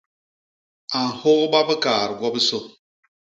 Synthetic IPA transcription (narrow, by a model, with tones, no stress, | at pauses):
a˨n̩˨ho˦ɣba˦bə˦kaː˨ɾɡʷwɔ˦bə˦so˦